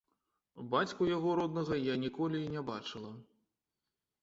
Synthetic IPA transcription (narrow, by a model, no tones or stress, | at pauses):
bat͡sʲkujaɣɔɾɔd̪nɐɣɐjanʲikɔlʲiːnʲɛbat͡ʂɨlˠɐ